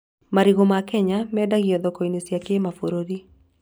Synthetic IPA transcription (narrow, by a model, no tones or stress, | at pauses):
maɾiɣomakɛɲamɛːdaɣiɔðɔkɔinesjakemafoɾoɾi